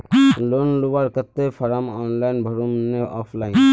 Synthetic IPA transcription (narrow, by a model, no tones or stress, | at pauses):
lonlubaɾkət̪ːepʰɔɾamɔnlajnbʱəɾumneɔpʰlajn